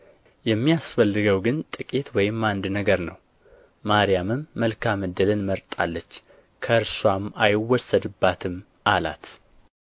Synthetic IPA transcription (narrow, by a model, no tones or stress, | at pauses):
jɛmːijasfəlːɨɡəwɡɨnt̪ʼɨkʼit̪wɔjɪmːand̪nəɡəɾnəw | maɾijamɨmːəlkʰamɨd̪ɨlɨnməɾt̪ʼa̰lːət͡ʃː | kʰəɨɾswamajɪwːɔsəd̪ɨbːat̪ʰɨm | ʔala̰t̪